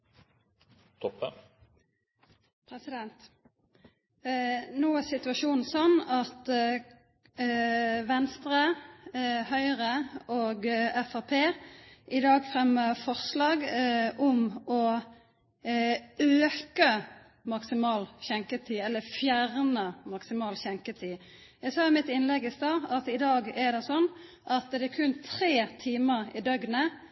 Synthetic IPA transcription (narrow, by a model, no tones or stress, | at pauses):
t̪ʰɔpːə | pʰɾɛsɪd̪ɛnt̪ | noːæsɪt̪ʉɑʃuːnn̩sɔnːɑt̪ | ʋɛnst̪ʁə | hœʏʁəoːɡɛfɑpʰeːʔɪd̪ɑːɡfʁɛmːəfɔʁslɑːɡʔɔmɔ | øːkə | mɑksɪmɑːlçɛŋkət̪ʰiːɛlːəfjæʁnəmɑksɪmɑːlçɛŋkət̪ʰiː | jæɡsɑːmɪt̪ɪnlɛɡɪst̪ɑːɑt̪ɪd̪ɑːɡɛd̪ɛsɔnː | ʔɑt̪d̪ɛækʰʉnt̪ʰɾeːt̪ʰiːməɾɪ̰d̪œɡnə